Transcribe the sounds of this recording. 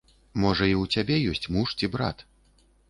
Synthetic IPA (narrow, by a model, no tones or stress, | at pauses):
mɔʐɐiwt͡sʲabʲɛjɔsʲt͡sʲmuʂt͡sʲibɾa̰t̪